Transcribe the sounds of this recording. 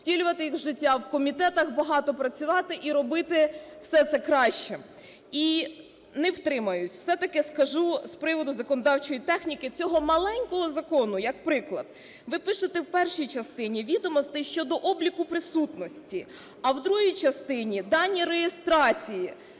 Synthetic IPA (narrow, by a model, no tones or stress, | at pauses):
tʲilʲʊʋɐt̪ɪjixʒɪtʲːawkɔmʲit̪ɛt̪ɐxbɐɦɑt̪ɔpɾɐt͡sʲʊʋɑt̪ɪʔiɾɔbɪt̪ɪw̥sɛt̪sɛkɾɑʃt͡ʃɛ | i | nɛwt̪ɾɪmɐjʊsʲw̥sɛt̪ɐkɪskɐʒuspɾɪʋɔd̪ʊzɐkɔnɔd̪ɑwt͡ʃɔjit̪ɛxnʲikɪt͡sʲɔɦɔmɐlˠɛnʲkɔɦɔzɐkɔnʊjɐk̚pɾɪklˠɐ̰d̪̥̚ | ʋɪpɪʃɪt̪ɛwpɛrʃijt͡ʃɐst̪ɪnʲiʋʲid̪ɔmɔst̪ɪʃt͡ʃɔd̪ɔʔɔblʲikʊpɾɪsut̪nɔsʲtʲi | ɐwd̪ɾuɦijt͡ʃɐst̪ɪnʲid̪ɑnʲːiɾejest̪ɾɑt͡sʲiji